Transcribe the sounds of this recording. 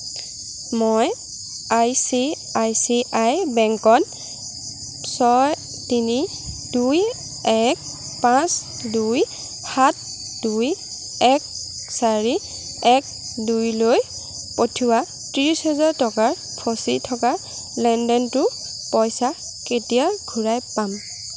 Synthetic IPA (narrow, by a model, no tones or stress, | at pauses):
moj | ajsi | ajsiʔajbɛŋkɔn | sɔj | tini | duj | ɛk̚ | pãs | duj | hat̚ | duj | ɛk̚ | saɹi | ɛk̚ | dujloj | potʰuwa | tiɹisɦɛzaɹtɔkaɹ | pʰɔsitʰɔka | lɛndɔntʊ | pɔjsa | ketijaɡʱuɹajpam